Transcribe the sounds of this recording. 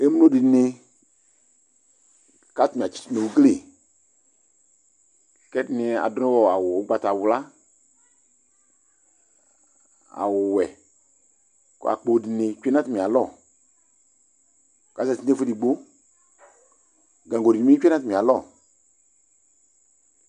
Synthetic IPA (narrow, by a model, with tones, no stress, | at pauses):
e˦m˦lo˦˨di˨ne˧ | ka˨˦ti˨mi˨a˨t͡ʃi̥˨˦t͡ʃi˦ne˨u˨ɡle˦˨ | kɛ˦ti˨ni˨˦a̰˨dɔ˦nɔ̃˦wɔ˨a˨wo˨˦ɡ͡ba˦ta˨wla˦ | a̰˨wu˨wɛ˨ | kɔ̰˦a̰˨k͡po˨di˨ne˨˦kɛ˦nã˦ti˨mi˨a˨lɔ˦˨ | ka˨˦sa˨ti˦te˦fe˦di˨ɡ͡bo˦ | ɡã˨ŋɡo˨di˨mi˦nã˦ti˨mĩ˨a˨lɔ˦˨